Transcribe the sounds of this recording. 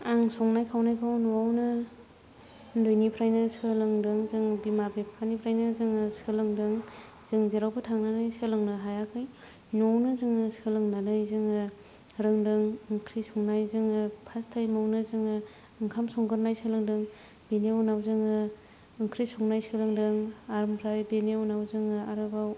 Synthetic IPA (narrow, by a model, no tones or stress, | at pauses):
aŋsɔŋnajkʰawnajkʰawnuwawnɯ | ldojnipʰɾajnɯsɯlɯŋdɯŋzɯŋbimabepʰanipʰɾajnɯzɯŋɯsɯlɯŋdɯŋ | z̥ɯŋzeɾawbɯtʰaŋnanajsɯlɯŋnɯɦajakʰɯj | nɔwnɯzɯŋɯsɯlɯŋnanajzɯŋɯ | ɾɯŋdɯŋɯŋkʰɾisɔŋnajzɯŋɯpʰastʰajmownɯzɯŋɯ | ɯŋkʰamsɔŋɡɯɾnajsɯlɯŋdɯŋ | benewnawzɯŋɯ | ɯŋkʰɾisɔŋnajsɯlɯŋdɯŋaɾmpʰɾajbenewnawzɯŋɯaɾɯbaw